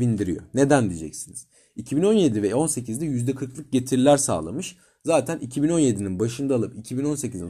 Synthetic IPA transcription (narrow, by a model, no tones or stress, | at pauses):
vind̪iɾijo̞̰ne̞d̪ænd̪id͡ʒɛ̰csiniz̥ | icʰibino̞nje̞d̪ivɛo̞nse̞cʰizd̪ɛjyzd̪ɛkʰɯɾklˠɯk̚ɟe̞t̪ʰiɾlʲæɾsa̰ːlˠa̰mɯʃ | zaːt̪ʰænʔicʰibino̞nje̞d̪ininbaʃɯnd̪aːlˠɯpicʰibino̞nse̞cizi